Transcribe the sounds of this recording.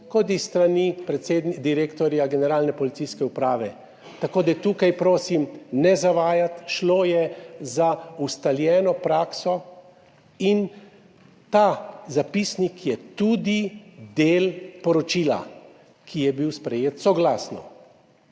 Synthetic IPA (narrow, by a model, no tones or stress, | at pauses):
kɔt̪ist̪ɾanipɾɛt̪seːd̪nid̪iɾeːkt̪ɔɾjaɡɛnɛɾaːlnɛpɔlit̪siskɛupɾaːʋɛ | t̪akoːd̪at̪uːkajpɾoːsimnɛzaʋaːjat̪ʃloːjɛzaust̪aljɛːnɔpɾaːksɔ | in | t̪azapisnikjɛt̪uːd̪id̪eːlpɔɾɔt͡ʃiːla̰ | kʰijɛbiwspɾɛjeːt̪sɔɡlaːsnɔ̰